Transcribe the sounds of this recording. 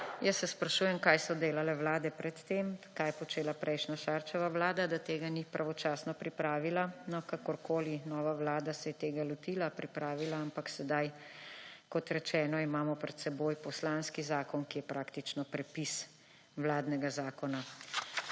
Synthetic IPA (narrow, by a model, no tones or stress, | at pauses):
jəsːɛspɾaʃuːjɛmkajsɔd̪eːlalɛʋlaːd̪ɛpɾɛt̪ːeːmkajɛpɔt͡ʃeːlapɾʔɛjʃnaʃaːɾt͡ʃɛʋaʋlaːd̪ad̪at̪eːɡanipɾʔaʋɔt͡ʃaːsnɔpɾipɾaːʋilanɔkakɔɾkoːlinɔːʋaʋlaːd̪asɛjɛt̪eːɡalɔt̪ilapɾipɾaːʋilaampaksɛd̪aj | kɔt̪ɾɛt͡ʃɛːnɔimaːmɔpɾɛt̪sɛboːjpɔslanskizaːkɔnkijɛpɾʔaːkt̪it͡ʃnɔpɾɛpis | ʋlaːd̪nɛɡazaːkɔna